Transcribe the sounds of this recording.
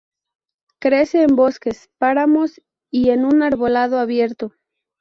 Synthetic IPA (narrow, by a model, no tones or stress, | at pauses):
kɾe̞se̞ːmbo̞ske̞spaɾamo̞s | ie̞nunaɾβo̞lað̞o̞aβje̞ɾt̪o̞